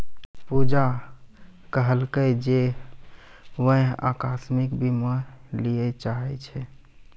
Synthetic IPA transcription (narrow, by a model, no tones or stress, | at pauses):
pud͡ʒa | kəɦəlkəjd͡ʒe | ʋəɦa̰kasmikbʱiməlijɛt͡ʃaɦɛ̰t͡ʃʰɛ